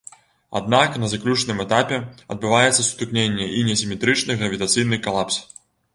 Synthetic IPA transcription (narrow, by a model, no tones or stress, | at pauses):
a̰d̪̚naknɐzaklʲut͡ʂnɨmɛt̪apʲɛɐ̰d̪̚bɨvajɛt̪sːɐsu̥t̪ɨknʲenʲːɛʔinʲɐsʲimʲɛt̪ɾɨt͡ʂnɨɣɾɐvʲit̪at̪sɨjnɨkalˠaps